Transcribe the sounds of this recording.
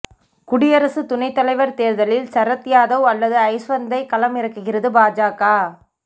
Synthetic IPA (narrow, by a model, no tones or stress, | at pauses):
kʊɽɪjɐɾɐsɯt̪ʊnɐɪt̪ːɐlɐɪʋɐɾt̪eːɾðɐlɪlsɐɾɐt̪ːɪjaːðɐʊɐlːɐðɯɐɪsʋɐnd̪ɐɪkɐlɐmɪɾɐkːɯɣɪrɐðɯbaːd͡ʒaːkaː